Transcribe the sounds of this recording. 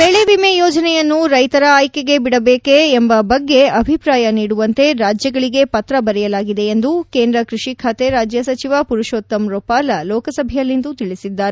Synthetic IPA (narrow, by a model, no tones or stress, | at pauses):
beɭeʋimejoːd͡ʒɐnɛjɐnːuɾɐjt̪ɐɾɐaːjkeɡe̞biɽɐbeːkeːmbɐbɐɡːe̞ɐbʱipɾaːjɐniːɽuʋɐnt̪e̞ɾaːd͡ʒjɐɡɐɭiɡe̞pɐt̪ɾɐbɐɾɛjɐlaːɡid̪e̞ːnd̪uke̞ːnd̪ɾɐkɾiʂikʰaːt̪eɾaːd͡ʒjɐsɐt͡ʃiʋɐpuɾuʃoːt̪ːɐmɾoːpaːlɐloːkɐsɐbʱɛjɐlːind̪ut̪iɭisid̪ːaːɾe